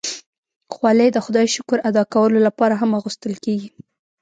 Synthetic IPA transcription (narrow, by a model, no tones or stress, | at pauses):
xwɑlejd̪əxʊd̪ɑjʃʊkʊɾad̪ɑkawəlolapɑɾaɦamaɣust̪əlkeɡi